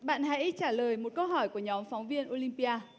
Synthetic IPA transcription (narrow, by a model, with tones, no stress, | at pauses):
ɓa̰ː˧˨nɦa̰˧˥jt͡ɕaː˧˩ləː˨˩jmo˨˩t̚kə˧wɦɔ˧˩jku˧˩əɲɔ˨˦mfɔ˨˦wŋ͡mvi˧ənʔo˧li˧mpi˧aː˧